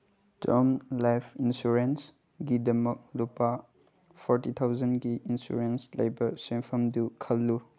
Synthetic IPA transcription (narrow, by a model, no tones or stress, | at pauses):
d͡ʒɔmlajpʰinsuɾens | ɡidɐmɐk̚lupa | pʰɔɾtit̪ʰawzɐnɡiʔinsṵɾenslḛjbɐɾsempʰɐmdukʰɐlːu